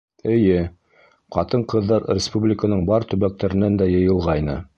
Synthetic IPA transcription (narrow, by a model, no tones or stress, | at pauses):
ɘ̆jɘ | qɑ̰t̪ɤɴqɤ̆ðːɑɾrʲɪspublʲɪkənɤɴbɑɾt̪ɵ̆βæk̚t̪æɾɘ̆nænd̪æjɤ̆jɤ̆lˠʁɑjnɤ̰